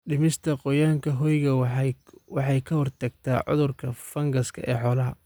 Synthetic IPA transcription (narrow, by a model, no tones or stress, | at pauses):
ɖɪmɪst̪ʰɐqɔjaːŋkʰɐɦɔjɣɐ | wɑħɑjkʰɐhɔrt̪ʰɐɡ̚t̪ʰa̰ːʕʊ̰ðʊrkʰɐfɐŋɡɐskʰɐ̰ʔɛ̰ːħɔːlɐɦɐ